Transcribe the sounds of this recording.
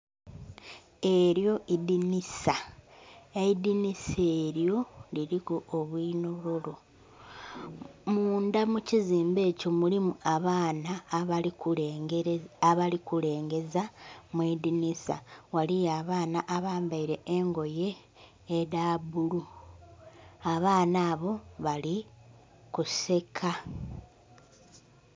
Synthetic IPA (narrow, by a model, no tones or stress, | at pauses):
e̞ɾjo̞ʔidinisa | eidiniseːɾjo̞liɾikuoβwiːnoɾolo | muːndamuciziːmbe̞ːco̞mulimuaβaːna | aβalikule̞ːŋɡe̞zamweːdinisa̰walijaβaːnaʔaβaːmbaiɾe̞ːŋɡo̞je̞ː | daːbulu | aβaːnaːβo̞βali | kuse̞kʰa